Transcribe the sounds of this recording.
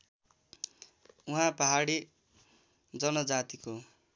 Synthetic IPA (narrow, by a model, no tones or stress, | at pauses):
uɦãpʌɦaɽi | d͡zʌnʌd͡zat̪iko